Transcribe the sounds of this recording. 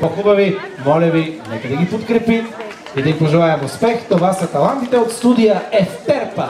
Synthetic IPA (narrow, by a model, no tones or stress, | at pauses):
pɐxubɐvi | mɔlʲɐvinɛkɐd̪ɐɡipot̪kɾɛpit̪ | id̪ɐɡipoʒɛlˠaɛmuspɛxt̪ovasɐt̪ɐlˠant̪it̪ɛot̪st̪ud̪ijɐɛfpɛɾpə